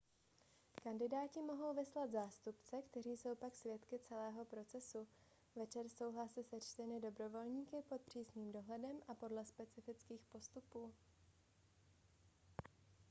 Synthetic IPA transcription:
kandɪdaːcɪmo̞ɦo̞wvɪslat̪zaːst̪upt͡sɛkt̪ɛɾ̝iːso̞wpaksvjɛt̪kɪt͡sɛlɛːɦo̞pɾo̞t͡sɛsu | vɛt͡ʃɛɾso̞wɦlasɪsɛt͡ʃt̪ɛnɪdo̞bɾo̞vo̞lɲiːkɪpo̞t̪̚pr̝̥iːsniːmdo̞ɦlɛdɛmʔapo̞dlɛspɛt͡sɪfɪt͡skiːxpo̞st̪upuː

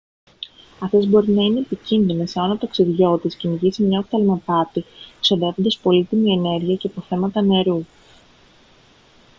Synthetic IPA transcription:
ɐft̪e̞zbo̞ɾinɐine̞ːpicinðine̞seonot̪ɐksiðʝo̞t̪iscenʝisimɲɐokt̪ɐlmɐpɐt̪ikso̞ðe̞vond̪ɐspo̞lit̪imie̞ne̞ɾʝiɐcepo̞θe̞mɐt̪ɐne̞ɾu

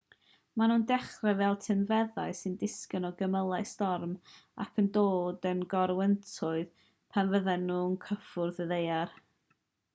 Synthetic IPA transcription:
manuːndɛχrɛvɛlˠtʰɪmvɛðaɨsɨndɪskənɔɡəməlˠaɨstɔrma̰kʰəndoːdənɡɔɾwəntʰʊɨð | pʰanvəðɛnuːnkʰəfʊrðəðejar

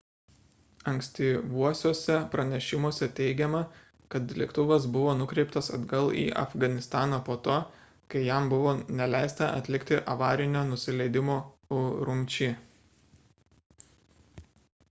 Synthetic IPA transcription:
ɐŋksʲt̪ʲiʋuɔsʲoːsʲɛpɾɐnʲɛʃʲɪmuɔsʲɛt̪ʲɛɪɡʲɛmɐ | kɐt̪̚lʲɛ̰kt̪ʊʋɐs̬bʊʋoːnʊkɾʲɛɪpt̪ɐsɐ̰d̪ɡɐlˠḭːʔɐ̰fɡɐnʲɪst̪ɑːnɐpoːt̪oː | kɐɪjæmbʊʋoːnʲɛlʲæˑɪst̪ɐʔɐ̰t̪ʲlʲɪkt̪ʲɪʔɐʋɑːɾʲɪnʲoːnʊsʲɪlʲɛɪd̪ʲɪmoː | ʊɾʊmʲt͡ʃʲɪː

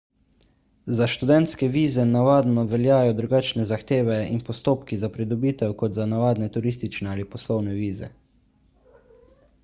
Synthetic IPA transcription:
zaʃt̪ud̪ɛnt̪skɛʋiːzɛnaʋaːd̪nɔʋɛljaːjɔd̪ɾuɡaːt͡ʃnɛzaxt̪eːʋɛinpɔst̪oːpkizapɾid̪ɔbiːt̪ɛwkɔd̪zanaʋaːd̪nɛt̪uɾiːst̪it͡ʃnɛaːlipɔslɔwnɛʋiːzɛ̰

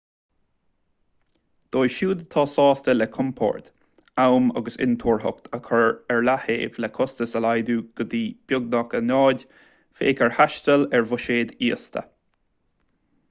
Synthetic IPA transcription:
d̪̥oːjʃuːd̪t̪ʰɑːsɑːst̪əlɛkʰʊmpʰo̰ːɹt̪ | awma̰ɡəsɪ̰nt̪ʰuːɹɦʊ̰kt̪ʰəkʰɔɹɛɹlahḛːvlɛkʰʊst̪əsəlajd̪uːɡ̥ʊd̪iːb̥jʊɡnɔkənɑːdʲ | fḛːkɛɹhaʃt̪əlɛɹvʊʃeːd̪iːəst̪ʰə̰

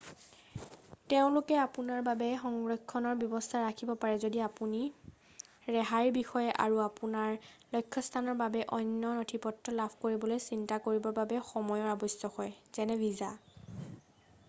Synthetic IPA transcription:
teʊ̃lʊkɛapunaɹbabɛxɔŋɹɔjkʰːɔnɔɹbjɔbɔstʰaɹakʰibɔpaɹɛzodiapuni | ɹɛɦaɹbixɔjɛʔa̰ɹuapunaɹlojkʰːɔstʰanɔɹbabɛʔɔnjɔnotʰipɔtʰːɔlabʱkoɹibɔlojsintakoɹibɔbabɛxɔmɔjɔɹabɔstɔxɔjz̥ɛnɛbiza

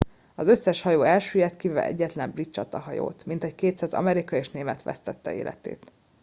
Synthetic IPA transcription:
ɒzøsːɛʃhɒjoːɛlʃøːjɛt̪kiʋɛ̰lʔɛ̰ɟːɛt̪lɛmbritt͡ʃːɒt̪ːɒɦɒjo̰ːt̪mint̪ɛckeːt̪sɛzɒ̰mɛɾikɒeːʃneːmɛt̪ʋɛ̰st̪ɛt̪ːɛ̰ḛːlʔɛ̰t̪ḛːt̪

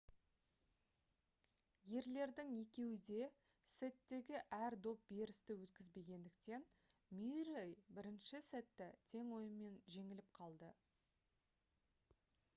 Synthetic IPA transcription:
je̞ɾle̞ɾd̪ɪŋe̞kʲe̞wɪd̪e̞ | sæt̪ːe̞ɡʲɪʔæɾd̪o̞p̚be̞ɾɪst̪ɪwɵt̪kʲɪzbe̞ɡʲe̞nd̪ɪk̚t̪e̞n | miɾejbɪɾɪnʃɪsæt̪ːɪt̪ʰe̞ŋwo̞jəme̞nʒe̞ŋɪlɪp̚qʰɑlˠd̪ə

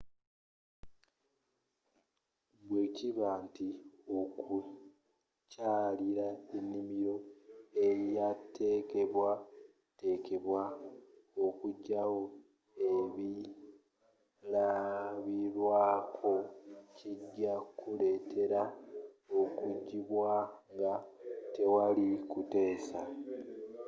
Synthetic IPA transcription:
βwe̞ːciβaːntioku | caːliɾaenːimiɾo̞e̞jate̞keβwa | te̞ːke̞βwa | okuɟːawo̞ | e̞βi | laβiɾwaːkʰo̞ciɟːakʰule̞ːte̞ɾa | okuɟiβwaŋɡate̞walikute̞ːsa

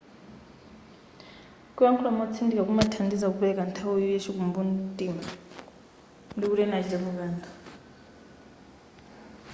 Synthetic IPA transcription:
kʼwaŋkʰulamat͡sʰindʱik̬ak̬umatʰandʱis̬ak̬uɓɛk̬ʼantʰawujɔjeʃik̬umbuntʼiːma | dikuɾɛnaɛkuɓaːŋkʼḁ

